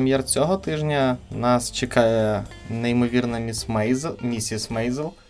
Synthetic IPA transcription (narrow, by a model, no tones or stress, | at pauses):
emʲjɛrt͡sʲɔɦɔt̪ɪʒnʲɐnɑst͡ʃekɑjɛnejmɔʋʲirnɐzmʲisʲismɛjzelˠ